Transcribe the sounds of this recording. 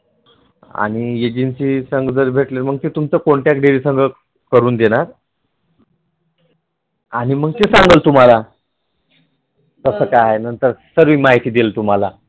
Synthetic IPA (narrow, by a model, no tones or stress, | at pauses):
a̰ɽ̃ied͡ʑinsiːsəŋɡd͡zəɾbʱeʈleɾməɡ̚t̪et̪umt͡səkoɳʈjakɖeɾiːsəŋɡʱə | kəɾuːnd̪eɽ̃aɾ | aɽ̃iməɡ̚tesãŋɡəlt̪um̤ala | t̪əsəːkajaɦenənt̪əɾsəɾʋiːmaɦit̪iːd̪elt̪um̤ala